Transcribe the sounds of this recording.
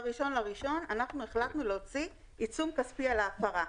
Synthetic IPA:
ʁiʃo̞nlaʁiʃo̞nanaχnueχlaknuleot͡si | it͡sumkaspialaːfaʁa

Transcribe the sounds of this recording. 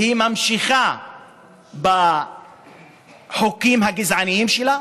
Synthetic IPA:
himamʃiχa | ba | ħokimɦaɡizʕanijimʃela

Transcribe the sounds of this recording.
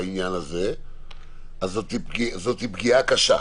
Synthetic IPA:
injanaze | azot̪ib̚ɡizo̞t̪hibɡiakaʃa̰

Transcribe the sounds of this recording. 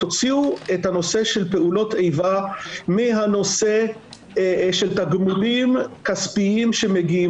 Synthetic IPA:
ot͡siuethano̞se̞ʃe̞lpe̞ulo̞tʰejvamiɦano̞se̞ | ʃe̞lt̪aɡmulimkaspiimʃe̞meɡii

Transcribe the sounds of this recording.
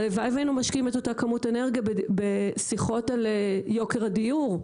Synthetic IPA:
levajvainumaʃkiimetotakamute̞neʁɡijabesiχo̞taljo̞keʁadiuʁ

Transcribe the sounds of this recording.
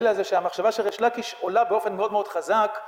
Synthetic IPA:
lazeʃeamaχʃavaʃelʁeʃlakiʃolabeo̞fe̞nmeo̞d̪meo̞d̪̥χazak

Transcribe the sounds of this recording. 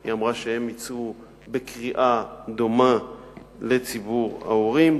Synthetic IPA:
iamʁaʃehe̞mit͡su | be̞kʁiʔad̪oma | le̞t͡sibuʁa̰oʁim

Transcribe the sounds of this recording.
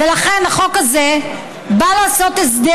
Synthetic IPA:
elaχe̞naχo̞kaze | balaːso̞t̪esd̪e

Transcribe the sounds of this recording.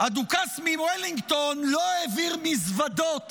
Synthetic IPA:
ad̪ukasmimweliŋɡt̪onloeviʁmisvad̪o̞t̪

